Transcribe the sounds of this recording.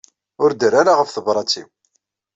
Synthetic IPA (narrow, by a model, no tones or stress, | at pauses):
ʊɾd̪əɾaɾaʁəfθəbɾˤɑt͡sːiw